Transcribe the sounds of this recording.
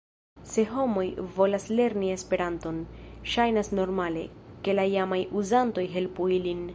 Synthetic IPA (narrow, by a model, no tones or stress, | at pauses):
se̞ɦo̞mo̞jvo̞lasle̞ɾnie̞spe̞ɾanto̞nʃajnasno̞ɾmale̞̰ke̞laijamajuzanto̞jɦe̞lpuilin